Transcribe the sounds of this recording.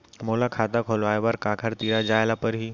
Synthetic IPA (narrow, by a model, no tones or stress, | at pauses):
moːlakʰad̪akʰoloaːjʋaːɾkaːkʰəɾt̪iːɾad͡ʒaːjlapəɾɦiː